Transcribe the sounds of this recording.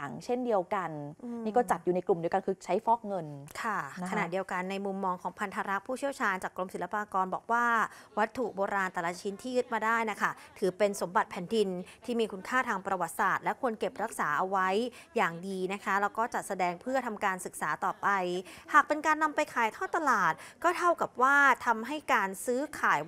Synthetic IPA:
a˩˦ŋt͡ɕʰe˥˩ndi˧əwka˧nniː˥˩kɔː˥˩t͡ɕa˨˩t̪̚juː˨˩na˧jklu˨˩mdi˧əwka˧nkʰɯː˧t͡ɕʰa˦˥jfɔː˥˩k̚ŋɤ˧nkʰa˥˩a˧naː˨˩t̪̚di˧əwka˧nːa˧jmu˧mːɔː˧ŋkʰɔː˩˦ŋpʰa˧nt̪ʰa˧ɾa˦˥pʰuː˥˩t͡ɕʰi˥əwt͡ɕʰaː˧nt͡ɕaː˨˩kːlo˧msi˩˦la˧paː˧kɔː˧nbɔː˨˩k̚waː˥˩wa˦˥t̪ʰːu˨˩ʔboː˧ɾaː˧nt̪ɛː˨˩la˧˥t͡ɕʰi˦˥nt̪ʰiː˥˩jɯ˦˥t̪̚maː˧daː˥˩jna˦˥kʰa˥˩t̪ʰɯː˨˩˦pe˧nso˩˦mba˨˩t̪̚pʰɛː˩˦ndi˧nt̪ʰiː˥˩miː˧kʰu˧nkʰaː˥˩t̪ʰaː˧ŋpɾa˧wa˨˩t̪̚saː˨˩t̪̚lɛ˦˥kʰu˧ənke˨˩p̚ɾa˦˥k̚saː˩˦ʔa˧wa˦˥jjaː˨˩ŋdiː˧na˦˥kʰa˦˥lɛː˦˥wkɔː˥˩t͡ɕa˨˩t̪̚sa˧dɛː˧ŋpʰɯ˥˩ɐt̪ʰa˧mkaː˧nsɯ˨k̚saː˩˦t̪ɔː˨˩pa˧jhaː˨˩k̚pe˧nkaː˧nːa˧mpa˧jkʰaː˨˦jt̪ʰɔː˥˩t̪a˧laː˨˩t̪̚kɔː˥˩t̪ʰa˥˩wka˨˩p̚waː˥˩t̪ʰa˧mɦa˥˩jkaː˧nsɯː˦˥kʰaː˨˩˦j

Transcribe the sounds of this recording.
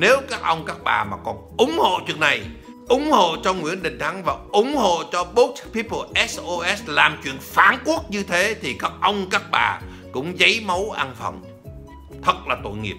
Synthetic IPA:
ne˨˦wkaː˦˥k̚ʔə˧wŋ͡mkaː˦˥k̚ɓa̰ː˨˩maː˨˩kɔ˨˩nʔʊ˨˦ŋ͡mho̰˧˨t͡ɕwḭ˧˨əna˨˩j | ʔʊ˨˦ŋ͡mho̰˧˨t͡ɕɔ˧ŋwḭ˧˥ənɗï˨˩ŋ̟t̪ʰa˨˦ŋvaː˨˩ʔʊ˨˧˦ŋ͡mho̰˧˨t͡ɕɔ˧ɓo˦˥k̚spi˦˥pə˧ʔɛ˦˥sʔo˧ʔɛ˦˥slaː˨˩mt͡ɕwḭ˧˨ənfaː˨˦nku˦˥ət̚ɲɨ˧t̪ʰe˨˦t̪ʰi˨˩kaː˦˥k̚ʔə˧wŋ͡mkaː˦˥k̚ɓa̰ː˨˩ | kʊ̰˧˥ŋ͡mzə˨˦jmə˨˦wʔa˧nfə̰˧˨˩ŋ͡m | t̪ʰə˨˩t̚laː˨˩t̪o̰˧˨jŋḭ˨˩əp̚

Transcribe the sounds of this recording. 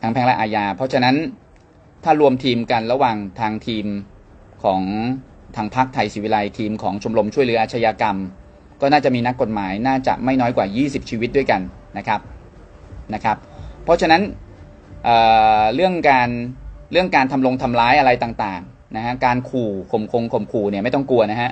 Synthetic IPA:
t̪ʰa˦˥ŋpʰɛ˧˦˥ŋlɛ˦˥ʔaː˧jaː˧pʰɔ˦˥t͡ɕʰa˧na˦˥n | t̪ʰaː˥˩ɾu˧əmt̪ʰiː˧mka˧nɾa˧waː˨˩ŋt̪ʰaː˧ŋt̪ʰiː˧m | kʰɔː˩˦ŋ | t̪ʰaː˧ŋpʰa˦˥k̚t̪ʰa˧jsiː˩˦wi˦˧la˧jt̪ʰiː˧mkʰɔː˩˦ŋt͡ɕʰo˧mlo˧mt͡ɕʰu˥˩jlɯ˩˦ɐʔːt̪̚t͡ɕʰa˧jaː˧ka˧m | kɔː˥˩naː˥˩t͡ɕa˨˩miː˧na˦˥kːo˨˩t̪̚maː˩˦jnaː˥˩t͡ɕa̰˨˩ʔma˥˩jnɔː˦˥jkwaː˨˩jiː˥˩si˨˩p̚t͡ɕʰiː˧wi˦t̪̚du˥˩əjka˧nː | a˦˥kʰɾa˦˥p̚ | na˦˥kʰa˦˥pʰːɔ˦˥t͡ɕʰa˧na˦˥n | ʔɤː˨˩ɾɯ˥˩əŋkaː˧nɾɯ˥˩əŋkaː˧nt̪ʰa˧mlo˧ŋt̪ʰa˧mlaː˦˥jʔa˧ɾa˧jt̪aː˨˩ŋt̪aː˨˩ŋ | na˦˥kʰa˦˥kaː˧nkʰuː˨˩kʰo˨˩mkʰo˧ŋkʰo˨˩mkʰuː˨˩ni˧˩ma˥˩jt̪ɔ˥˩ŋku˧ɐna˦˥kʰa˦˥

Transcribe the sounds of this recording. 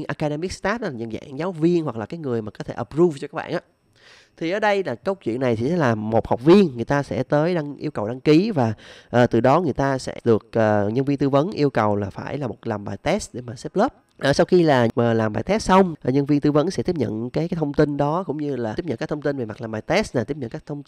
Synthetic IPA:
nʔaː˧ka˧ɗe˧mi˦˥k̚st̪aː˦˥t̚laː˨˩ə̰˧˨˩nza̰ː˧˩˨ŋzaː˨˦wvi˧ənhwa˨˩k̚laː˨˩kaː˨˦jŋɨ˨˩əjmaː˨˩kɔ˨˦t̪ʰe˧˩ʔə˨˩pɾu˧ft͡ɕɔ˧ka˦˥k̚ɓa̰ː˧˨ʔaː˨˧˦ | t̪ʰi˨˩ʔəː˨˩ɗə˧jlaː˨˩kə˧˦˥w̚t͡ɕwḭ˧˨ənːa˨˩jt̪ʰi˨˩sɛ˨˦˥laː˨˩mo˨˩t̚ha˨˩wk͡p̚vi˧ənŋɨ˨˩əjt̪aː˧sɛ̰˧˥t̪əː˨˦jɗa˧ŋʔḭ˧əwkə˨˩wɗa˧ŋki˨˦vaː˨˩ʔəː˨˩t̪ɨ˨˩ɗɔ˨˦ŋɨ˨˩əjt̪aː˧sɛ̰˧˥ɗɨ˨˩ək̚ʔəː˨˩ɲə˧nvi˧ənt̪ɨ˧və˨˦nʔi˧əwkə˨˩wlaː˨˩faː˧˩jlaː˨˩mo˨˩t̚laː˨˩mɓaː˨˩jt̪ɛ˦˥sɗe˧˩maː˨˩sɛ˦˥p̚ləː˦˥p̚ | ʔəː˨˩sa˧wxi˧laː˨˩ʔəː˨˩laː˨˩mɓaː˨˩jt̪ɛ˦˥s̚sa˧wŋ͡mʔɲə˧nvi˧ənt̪ɨ˧və˨˦nsɛ̰˧˥t̪i˦˥əpɲə̰˧˨nkaː˨˦jka˨˦jt̪ʰə˧wŋ͡mt̪i˧nɗɔ˨˦kʊ̰˧˥ŋ͡mɲɨ˧laː˨˩i˥p̚ɲə̰˧˨nkaː˦˥t̪ʰə˧ŋ͡mt̪i˧nve˨˩ma˨˩t̚laː˨˩mɓaː˨˩jt̪ɛ˦˥slaː˨˩t̪i˦˥p̚ɲə̰˧˨kaː˦˥kt̪ʰwŋ͡m

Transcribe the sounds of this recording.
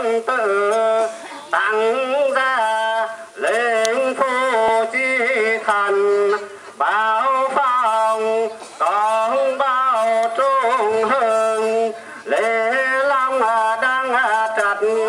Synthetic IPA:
nt̪ɨ˧˩ | t̪a˧˩ŋzɛ˧˩ | le˨˩ŋfʰu˧˩t͡ɕi˧t̪ʰə˧˩n | ɓaː˧wfa˧ŋkɔ˨˩˦ŋɓa˧wt͡ɕu˧˥ŋɦə˧˩ŋ | le˨˩la˧ŋ͡ma˧˩ɗa˧ŋa˧˩t͡ɕə˨˧˩t̚n

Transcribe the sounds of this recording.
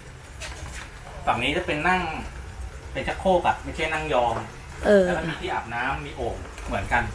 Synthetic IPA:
saː˨˩k̚niː˦˥t͡ɕa˨˩pe˧nːa˥˩ŋ | pe˧nt͡ɕʰa˦˥kʰːoː˥˩pa˨˩t̚ma˥˩jt͡ɕʰa˥˩jna˥˩ŋjɔː˧m | ʔɤː˧˦˥kʰa˥˩i˧˥˩t̪ʰiː˥ʔaː˨˩p̚naː˦˥mːiː˧ʔoː˨˩k̚ | mɯ˩˦ənka˧n

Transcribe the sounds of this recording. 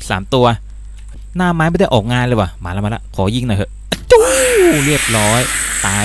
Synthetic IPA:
sa̰ː˩˦mt̪u˧ɐ | naː˥˩maː˦˥jm˥˩da˥˩ʔɔː˨˩k̚ŋaː˧nlaː˧˩waː˨˩maː˨˦la˧˩m˧la̰˦˥ʔkʰɔː˨˩˦ji˥˩ŋnɔ˧˩hə˧˩ʔa˧t͡ɕuː˧˦ɾɯ˥˩əp̚ɾɔː˦˥jt̪aː˧

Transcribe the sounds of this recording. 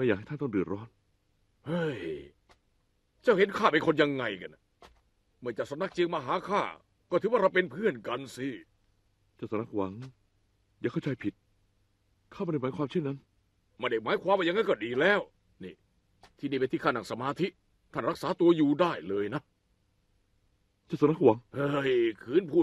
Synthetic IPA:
m˧˥˩jaː˨˩kha˥˩t̪ʰa˥˨nt̪ɔ˥˩ŋdɯ˨˩ət̪̚ɾɔː˦˥˩n | ha˧˩j | t͡ɕa˥˩whe˨˦nkʰaː˥˩pe˧nkʰo˧nja˧ŋːa˧jka˧na˨˩ | mɯ˧˩˨t͡ɕa˨˩ksa˧˦mna˦˥k̚t͡ɕi˧ŋmaː˧ɦaː˨˦kʰaː˥˩ | kɔː˥˩t̪ʰɯː˨˦waː˥˩ɾa˧wpe˧npʰɯ˥˩ənka˧nsi˧ | t͡ɕaː˥˩wsa˧˦na˦˥k̚wa˨˩˦ŋ | jaː˨˩kʰa˥˩wt͡ɕʰa˧jpʰi˨˩t̪̚ | kʰaː˥˩ma˥˨da˥˩maː˨˦jkʰwaː˧mt͡ɕʰe˥˩nːa˦˥n | ma˥˩nda˥˩jmaː˨˦jkʰwaː˧mwaː˧˩ja˧ŋa˥˩kɔː˥˩diː˨˩lɛː˦˥˩w | nḭː˧˨˩ | t̪ʰiː˧˩niː˥˩pe˧t̪ʰiː˥˩kʰaː˥˩na˨˩ŋsa˧maː˧t̪ʰi˦˥ | t̪ʰa˥˩nɾa˦˥k̚saː˨˦˥t̪u˧ɐjuː˨daː˥˩jlɤː˧jna˦˥ | t͡ɕa˧˩wsa˧˦na˥k̚wa˨˦ŋhɤː˧˩jkʰɯː˧˥˨npʰuː˥˩

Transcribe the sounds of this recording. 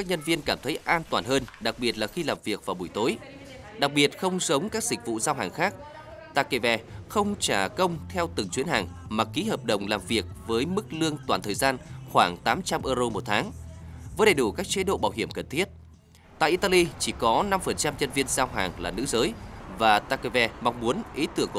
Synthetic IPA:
kaː˦˥k̚ɲə˧nvi˧ənkaː˧˩mt̪ʰə˨˦jʔaː˧nt̪waː˧˨˩nɦəː˧nɗa˨˩k̚ɓi˨˩ət̚laː˨˩xi˧laː˨˩mvi˨˩ək̚vaː˨˩ɓu˧˩jt̪o˨˦j | ɗa˨˩k̚ɓi˨˩ət̚xə˧wŋ͡msə˨˦wŋ͡mkaː˦˥k̚zi˨˩k̟̚vṵ˧˨zaː˧wɦaː˨˩ŋxaː˦˥k̚ | t̪a̰ː˧˩kːe˧˩vɛ˨˩xə˧wŋ͡mt͡ɕaː˧˩kə˧wŋ͡mt̪ʰɛ˧wt̪ɨ˨˩ŋt͡ɕwi˨˦nɦaː˨˩ŋmaː˨˩ki˨˦həː˨˩p̚ɗə˨˩wŋ͡mlaː˨˩mvi˨˩ək̚vəː˨˦jmɨ˦˥k̚lɨ˧əŋt̪waː˧˩nt̪ʰəː˨˩jzaː˧nxwaː˧˩ŋt̪aː˨˦mt͡ɕa˧mʔəː˧zo˧mo˨˩t̚t̪ʰaː˨˦ŋvəː˨˦jɗə˨˩jɗu˧˩kaː˦˥k̚t͡ɕe˨˦ɗo̰˧˨ɓaː˧˩wɦi˧˩əmkə˨˩nt̪ʰi˦˥ət̚ | t̪a̰ː˧˨ʔi˧t̪a˧li˧t͡ɕi˧˩kɔ˨˦na˧mfə˨˩nt͡ɕa˧mɲə˧nvi˧ənzaː˧wɦaː˨˩ŋlaː˨˩nɨ̰˧˥zəː˨˦jvaː˨˩t̪aː˧ke˧˩vɛ˧˩ma˧wŋ͡mmu˨˦ənʔi˨˦t̪ɨ˧˩əŋk

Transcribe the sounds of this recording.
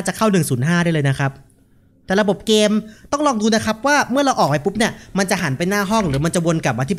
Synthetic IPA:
a˥˩t͡ɕa˨˩kʰa˥˩wnɯ˨˩ŋsuː˩˦nɦaː˥˩dɾaː˥˩jlɤː˧jna˦˥kʰa˦˥p̚ | t̪ɛː˨˩ɾa˧bo˨˩p̚keː˧mt̪ɔ˥˩ŋlɔː˧ŋduː˧na˦˥kʰa˦˥p̚waː˥˩mɯ˥˩ɐɾla˧wʔɔː˨˩k̚ha˨˩jpu˦˥p̚ni˥˩ɐma˧nt͡ɕa˨˩ɦa˩˦npa˧jnaː˥˩ɦɔ˥˩ŋɾɯː˩˦ma˧nt͡ɕa˨˩wo˧nka˨˩maː˧t̪ʰi˦˥p

